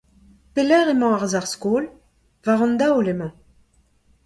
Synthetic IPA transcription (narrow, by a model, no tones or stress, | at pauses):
pelɛʁemɑ̃aʁzaʁskoːl | vaʁɔ̃nd̪aolemɑ̃